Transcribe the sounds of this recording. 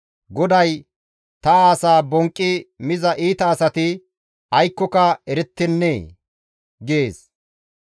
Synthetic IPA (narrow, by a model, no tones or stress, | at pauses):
ɡɔd̪ɐj | t̪ɐaːsaːbɔŋkʼːɪmɪzɐʔiːt̪ɐːsɐt̪ɪ | ɐjkːɔkɐɛɾɛt̪ːɪnːḛː | ɡeːs